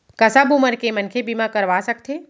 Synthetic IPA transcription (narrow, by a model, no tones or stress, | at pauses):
kɐsabuməɾkemɐnkʰebimãkɐɾʋasək̚t̪ʰeː